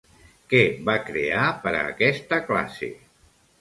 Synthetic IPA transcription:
kɛβakɾeapəɾə̰ːkɛst̪əkla̰sḛ

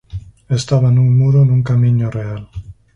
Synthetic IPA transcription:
est̪aβanuŋmuɾonuŋkamiɲoreal

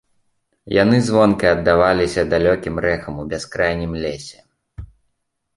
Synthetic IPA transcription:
ja̰n̪ɨzvɔnkɐjɐd̪ːavalʲisʲɐd̪alʲɔkʲimɾɛxɐmubʲaskɾajnʲimlʲesʲɛ

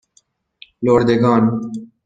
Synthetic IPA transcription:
loːɾd̪eɡɑːn

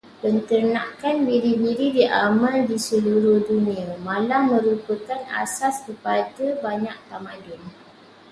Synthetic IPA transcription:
pənt̪ərnãkanbiɾibiɾidiʔamaldisəluɾʊhdunĩamãlaŋmmə̃ɾuput̪ana̰saskəpadabaɲak̚t̪amãdʊn

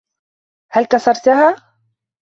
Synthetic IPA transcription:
halkɑsɑɾˤt̪ahaː

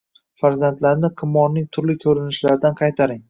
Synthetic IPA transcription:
faɾzant̪laɾnɪqʰɨmːɒlnɪŋt̪ʰʊɾlɪkʲʰɵɾɪnɪʃlaɾɪd̪anqʰɑjt̪ʰaɾɪŋ

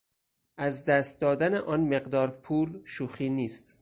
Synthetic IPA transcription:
ʔæzd̪æst̪̚d̪ɒːd̪æneʔɒːnme̞ɢd̪ɒːɾpʰuːlʃuːxiːniːst̪

